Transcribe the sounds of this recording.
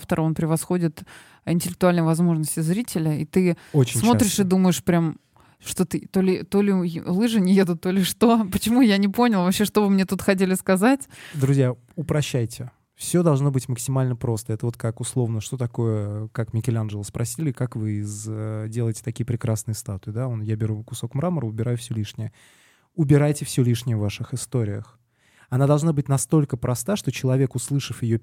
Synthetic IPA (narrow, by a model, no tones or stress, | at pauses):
ft̪əɾo̞npɾʲɪvɐsxo̞dʲɪt̪ | ɪnʲtʲɪlʲɪk̚t̪ʊalʲnəjvɐzmo̞ʐnəsʲtʲɪzɾʲitʲɪlʲəit̪ɨot͡ɕɪnʲsmo̞t̪ɾʲɪɪʂɨd̪uməjɪʂpɾʲam | ʂt̪o̞t̪ɨt̪o̞lʲɪt̪o̞lʲɪlˠɨʐɨnʲɪje̞d̪ʊt̪ːo̞lʲɪʂt̪o̞pət͡ɕɪmujanʲɪpo̞nʲɪlˠvɐpɕeʂt̪o̞vɨmnʲe̞t̪ut̪xɐt̬ʲelʲɪskɐzatʲd̪ɾʊzʲja | ʊpɾɐɕːæjtʲɪ | fsʲo̞d̪ɐlˠʐno̞bɨtʲməksʲɪmalʲnəpɾo̞st̪əɛt̪əvot̪kakʊslˠo̞vnəʂt̪o̞t̪ɐko̞jəkakmʲɪkʲɪlʲanʐəlˠəspɾʔɐsʲilʲɪkakvɨɪzdʲelˠəjɪtʲɪ̥t̪ɐkʲijəpɾʲɪkɾasnɨjəst̪at̪ʊɪd̪aonjabʲɪɾukʊso̞kmɾaməɾəʊbʲɪɾajʊfsʲɵlʲiʂnʲɪjə | ʊbʲɪɾajtʲɪfsʲolʲiʂnʲɪjəvːaʂɨxɪst̪o̞ɾʲɪjə̰x | ɐnad̪ɐlˠʐnabɨtʲnɐst̪o̞lʲkəpɾʔɐst̪aʂt̪o̞t͡ɕɪlˠɐvʲe̞kʊslˠɨʂɨfjɪjo